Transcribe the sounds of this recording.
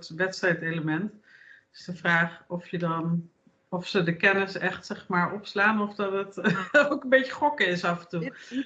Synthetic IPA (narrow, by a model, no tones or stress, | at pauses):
tʋɛtstrɛjteləmɛntɪsdəvraːχɔfjədɑn | ɔfsədəkɛnɪsɛχtsɛχmaːɹɔpslaːnɔfdɑtətowkənbejcəχɔkəɪsɑfəntu